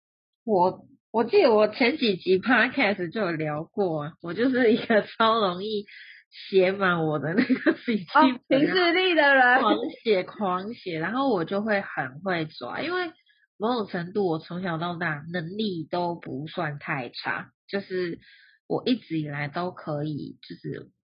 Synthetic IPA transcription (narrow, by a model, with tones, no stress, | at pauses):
wɔ˨˩ | wɔ˨˩t͡ɕi˥˩d̪ə˩wɔ˨˩t͡ɕʰjɛ˧˥nt͡ɕi˨˩t͡ɕi˨˥pʰa˥kʰɛ˥˩s̩˨˩t͡ɕjo˥˩ʊljɑ˧˥ʊkwɔ˥˩ə˩wɔ˨˩t͡ɕjo˥˧ʊʂɻ̩˥˩i˦˥ɡə˧t͡sʰɑ˥ʊɻo˧˦ŋi˥˩ | ɕjɛ˨˧˥ma˨˩˦nwɔ˨˩d̪ə˦na˥˩ɡə˨˩si˨˩t͡ɕʰi˥pʰi˨˧˥li˥˩d̪ə˨lə˨wɑ˧˥ŋɕjɛ˨˩kʰwɑ˧˥ŋɕjɛ˨˩ɻa˧˦nxo˥˩ʊwɔ˨˩t͡ɕjo˥˧ʊxwe˥˩ɪxə˨˩nxwe˥˩ɪt͡swa̰˨˩i˦˥nwe˥˩ɪ | mo˧˥ɪʈ͡ʂɔ˨˩ŋʈ͡ʂʰə˧˥ŋt̪u˥˩wɔ˨˩t͡sʰo˧˥ŋɕjɑ˨˩ʊt̪ɑ˥˧ʊna˥˧nə˧˦ŋli˥˩t̪o˥ʊpu˧˦swa˥˧nt̪ʰa˥˩ɪʈ͡ʂʰa̰˥t͡ɕjo˥˧ʊʂɻ̩˥˩ | wʔɔ̰˨˩ʔi˥˩ʈ͡ʂɻ̩˨˥i˨˩la˧˥ɪt̪o˥ʊkʰɤ˧˦ḭ˨˩t͡ɕjo˥˧ʊʂɻ̩̰˥˩